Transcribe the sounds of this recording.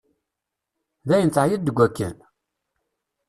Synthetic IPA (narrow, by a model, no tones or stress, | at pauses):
ðæjənt̪əjid̪ːəɡʷːækːə̰n